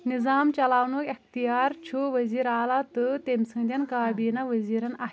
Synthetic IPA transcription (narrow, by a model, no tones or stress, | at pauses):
nizaːmt͡ɕɐlaːʋnokext̪ijaːɾt͡ɕʰuʋəziːɾaːlat̪ɨt̪emsə̃ŋd̪ʲɐnkaːbiːnaʋəziːɾɐna